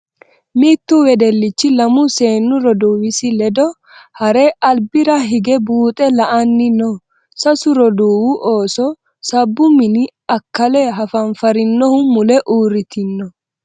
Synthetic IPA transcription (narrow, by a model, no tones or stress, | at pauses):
miːt̪ːuwɛd̪ɛlːɪt͡ʃːɪlɐmʊse̞ːnːʊɾɔd̪uwɪsɪlɛd̪ɔ | hɐɾeːʔɐlbɪɾɐɦɪɡɛbuːt̪ʼɛlɐʔɐnːɪnɔ | sɐsʊɾɔd̪uːwʊʔoːsɔ | sɐbːʊmɪnɪɐkːɐlɛɦɐfɐnfɐɾɪnːɔhʊmʊlɛʔuːɾɪt̪ɪnːɔ